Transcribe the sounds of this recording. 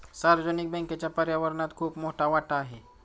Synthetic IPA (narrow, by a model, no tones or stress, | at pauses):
saɾəd͡ʑonik̚bɛ̃ŋket͡ɕjapəɾjaʋəɾnat̪kʰuːpmoɦʈaʋaʈaːɦe